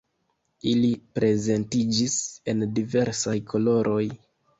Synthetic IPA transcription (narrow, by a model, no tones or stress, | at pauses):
ilipɾe̞ze̞ntid͡ʒise̞ndive̞ɾsajkʰo̞lo̞ɾʔo̞j